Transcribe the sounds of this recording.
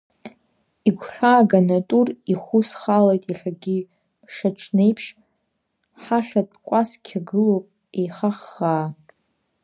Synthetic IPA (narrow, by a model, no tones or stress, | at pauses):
iɡʷχaːɡanatʼuriχʷusχalejtʼiɬaɡʲi | bʰʂat͡ʃʰnejpʰʂ | ħaɬad̚kʷʼaskʲʰaɡɨlowpʼ | ejχaχːaː